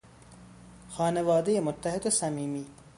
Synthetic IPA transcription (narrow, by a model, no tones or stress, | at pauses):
xaːnɐʋaːd̪ijemʊt̪ːɐɦɪd̪sɐmiːmiː